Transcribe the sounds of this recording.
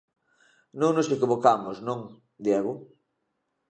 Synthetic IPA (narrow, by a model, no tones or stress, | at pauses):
nõŋnosekoβokamʊsnõŋ | d̪jɛɣʊ